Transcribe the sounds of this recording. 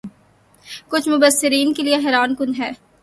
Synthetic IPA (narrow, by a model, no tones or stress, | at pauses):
kʊt͡ʃʰmʊbəsːɪɾiːnkelieɦɛːɾaːnkʊnɦɛː